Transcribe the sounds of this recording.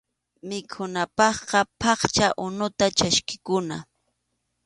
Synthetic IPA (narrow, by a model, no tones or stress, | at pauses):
mɪkʰʊnapɑχqɑpʰɑχt͡ʃaʔʊnʊt̪at͡ʃaʃkɪ̥kʊna